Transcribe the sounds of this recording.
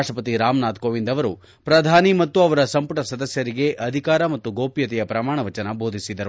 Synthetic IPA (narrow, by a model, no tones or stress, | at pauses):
ʂʈɾɐpɐt̪iɾaːmnaːt̪koːʋind̪ɐʋɐɾu | pɾɐd̪ʱaːnimɐt̪ːuɐʋɐɾɐsɐmpuʈɐsɐd̪ɐsjɐɾiɡe̞ʔʔɐd̪ʱikaːɾɐmɐt̪ːuɡoːpjɐt̪ɛjɐpɾɐmaːɳ̃ɐʋɐt͡ʃɐnɐboːd̪ʱisid̪ɐɾu